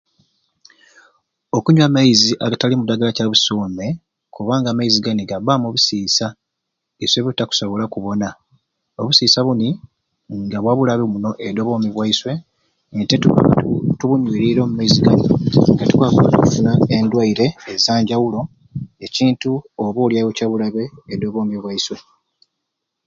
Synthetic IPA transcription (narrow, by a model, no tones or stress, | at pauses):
okuɲwamaiziʔaɡatalimudaɡalacaβusoːme̞ | kuβaːŋɡamaiziɡaniɡaβamoβusiːsa | isweβitaku̥so̞βo̞lakuβo̞na | oβusiːsaβuni | ŋɡaβwaːβulaβimuno̞ʔedoβo̞miβwaiswe̞ | ntettuβuɲwiːɾiɾo̞ːmumaiziɡanḭŋɡatu̥kwakwaatokufunaendwaiɾe̞ːzaːɲɟawulo̞ | e̞ciːntuoβoːljajocaβulaβeːdo̞βo̞ːmeβwaiswe̞